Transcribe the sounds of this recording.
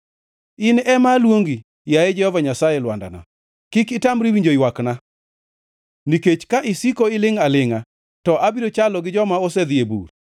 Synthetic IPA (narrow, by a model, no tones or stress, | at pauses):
ɪnɛmalwoŋɡi | jajɛd͡ʒɛhɔvaɲasajɛlwa̰nda̰na̰ | kikɪtamɾiwiɲd͡ʒojwakna | niket͡ʃkaʔɪsikoɪlɪŋalɪŋa | tɔʔabiɾot͡ʃalɔɡɪd͡ʒɔmaɔsɛd̪iebṵɾ